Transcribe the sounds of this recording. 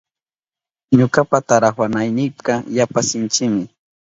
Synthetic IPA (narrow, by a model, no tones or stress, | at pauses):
ɲokapat̪aɾaχwanajnɪpqɑjapasɪnt͡ʃɪmɪ